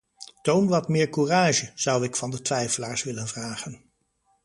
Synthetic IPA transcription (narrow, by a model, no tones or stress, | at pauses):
townʋɑtmɪːɹkuraːʒəz̥ʌwɪkfɑndətʋɛjfəlaːɹsʋɪlənvraːχən